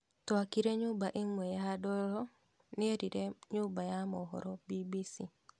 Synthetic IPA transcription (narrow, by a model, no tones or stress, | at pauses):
takiɾeɲʊbaʔimwejadɔlɔ | nɪeɾiɾeɲʊbajamɔɦɔ̰ɾɔbibisi